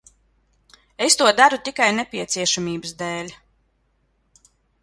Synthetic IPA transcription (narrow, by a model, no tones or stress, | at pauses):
est̪uɔd̪aɾut̪ʲikajnepʲiɛt̪sʲiɛʃamʲiːbɨsd̪ɛːlʲ